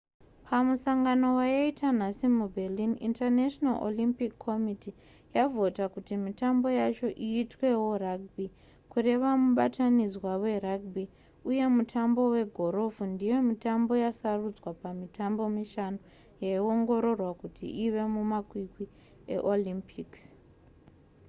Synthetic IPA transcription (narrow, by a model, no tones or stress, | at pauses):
pʰamusaŋɡano̞wajaitʰan̤asimubʱelinḭntarneʃonalʔo̰limpikʰːo̞miti | javʱo̞takutimitambo̞jat͡ʃo̞ʔiːtwe̞wo̞raɡ̚bi | kure̞ʋamuɓatanizwawe̞raɡ̚bi | uje̞mutʰambo̞we̞ɡʱo̞ɾo̞vundijo̞mitambo̞jasarud͡zwapamitambo̞miʃano | jaio̞ŋɡo̞ɾo̞rwakutʰḭʔiʋe̞mumakwikwi | e̞̰ʔolimpʰiks